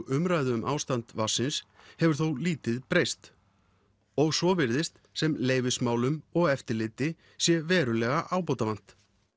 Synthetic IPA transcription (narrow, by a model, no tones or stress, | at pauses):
ʔʏmɾaːjðʏʏmʔa̰ːwst̪ant̪vasːɪns | hɛvʏɾ̥θowliːt̪ɪðpɾejst̪ | ɔɣsɔvɪɾðɪst̪ | sɛmleːjvɪsmaːwlʏmɔɣɛft̪ɪɾlɪːt̪ɪ | sjɛvɛːɾʏlɛɣaʔaːwpoːt̪avan̥t̪